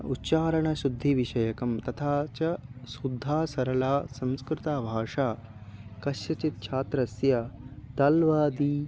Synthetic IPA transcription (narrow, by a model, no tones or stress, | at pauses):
utːt͡ʃaːɾɐɳɐʃud̪ʱːiʋiʃɐjɐkɐmt̪ɐt̪ʰaːt͡ʃɐsud̪ʱːaːsɐɾɐlaːsɐ̃mskɾɪt̪aːbʱaːʂaːkɐʃjɐt͡ʃit̪̚t͡ʃʰaːt̪ɾɐsjɐt̪ɐlʋaːd̪iː